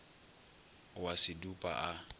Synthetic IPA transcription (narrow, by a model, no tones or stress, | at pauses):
wasɪdupʼa̰ʔa